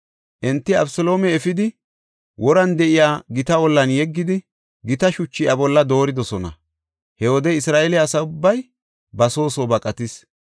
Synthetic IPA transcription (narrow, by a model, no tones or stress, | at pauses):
ʔɛnt̪ːɪɐ̰bsɔlo̞ːmɛːfɪd̪ɪ | wʔɔɾɐnd̪ɛʔɪjaːɡɪt̪ɐwɔlːɐnjɛɡːɪd̪ɪ | ɡɪt̪ɐʃʊt͡ʃːɪjʔɐbɔlːɐd̪o̞ːɾɪd̪ɔsɔnɐ̰ | hɛwɔd̪ɛɪsɾaːʔɛlɛɐsɐʊbːɐj | bɐso̞ːsoːbɐkʼɐt̪ɪs